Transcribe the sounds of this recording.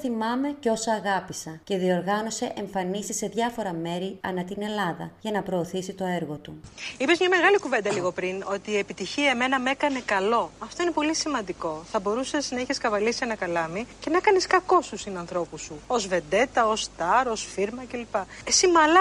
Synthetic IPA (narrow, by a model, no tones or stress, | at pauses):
θimɐme̞ceo̞sɐːɣɐpisɐce̞ðio̞ɾɣɐno̞se̞ʔeɱfɐnisise̞ðʝɐfo̞ɾɐme̞ɾiɐnɐt̪ine̞lɐðɐʝɐnɐpɾo̞ːθisit̪o̞e̞ɾɣo̞t̪uipezmɲɐme̞ɣɐlikuve̞nd̪ɐliɣo̞pɾino̞t̪iːe̞pit̪içiɐeme̞nɐme̞kɐne̞kɐlo̞ɐft̪o̞ine̞po̞lisimɐnd̪iko̞θɐbo̞ɾuseznɐiçeskɐvɐlisienɐkɐlɐmice̞nɐkɐneskɐko̞st̪usinɐnθɾo̞pusuo̞zve̞nd̪e̞t̪ɐo̞st̪ɐɾo̞sfiɾmɐce̞lipɐesimɐlɐ